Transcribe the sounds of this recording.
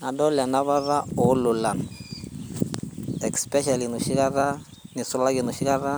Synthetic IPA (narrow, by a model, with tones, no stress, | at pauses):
na˨dɔ˦la˨na˦βa˦ða˦ɔ˨˦lʊ˨la˨n | ɛ˨kspɛ˦ʃa˨li˨nu˨ʃi˦ka˦ða˦ | nɪ˨sʊ˦la˦kɪ˨nʊ˨ʃi˦ka˦ða˦